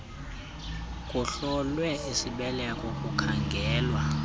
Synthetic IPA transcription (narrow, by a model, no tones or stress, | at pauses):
kʼuɬɔlwɛesiɓɛlɛakʼɔkʼukʰaŋɡʱɛːlwa